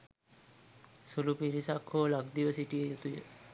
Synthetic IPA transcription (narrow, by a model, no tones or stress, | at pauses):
sulupiɾisakholaɡd̪iʋəsiʈiəjut̪ujə